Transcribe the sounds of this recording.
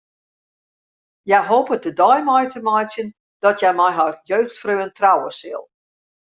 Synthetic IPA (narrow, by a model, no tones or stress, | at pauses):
jɛjɦoːpədədɔjmɔjtʰəmɔjsjən | d̥ɔtjɛjmɛjɦarjøːxtfrøːəntrawəsɪ̰lˠ